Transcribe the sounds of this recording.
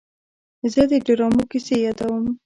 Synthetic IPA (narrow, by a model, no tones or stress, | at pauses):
zəd̪əɖɪɾɑmokɪsejɑd̪awəm